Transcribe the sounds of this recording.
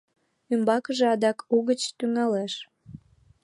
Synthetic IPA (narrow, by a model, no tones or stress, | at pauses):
ymbɑkəʒeɑd̪ɑkuɣət͡ɕt̪yŋɑleʃ